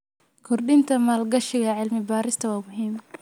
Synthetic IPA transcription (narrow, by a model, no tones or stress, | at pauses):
kʰɔrɖɪnt̪ʰɐmaːlɡɐʃɪɣɐʕɪlmɪbaːɾɪst̪ʰɐwɑːmʊɦiːm